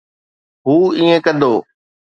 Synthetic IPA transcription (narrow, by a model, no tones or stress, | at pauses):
ɦuːiːẽkɐ̃nd̪oː